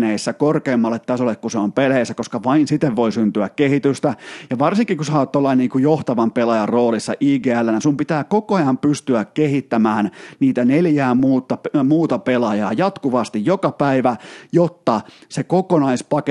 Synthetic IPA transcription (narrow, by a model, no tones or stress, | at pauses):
neisːækorkeːmːɑlːet̪tæsolːekkuseompeleisːækoskɑʋɑinsit̪ːeʋʋoisynt̪yækkehit̪yst̪æjɑʋɑrsiŋkikusɑot̪ːolːɑiniːŋkujoht̪ɑʋɑmpelɑjɑroːlisːɑ̰ʔiːɡeːælːænæsumpit̪æːkokoɑjɑmpyst̪yækkehit̪ːæmæːnniːt̪æneljæːmuːt̪ːɑmuːt̪ɑpelɑjɑ̰ːjɑt̪kuʋɑst̪ijjokɑpæiʋæjot̪ːɑsekokonɑispɑke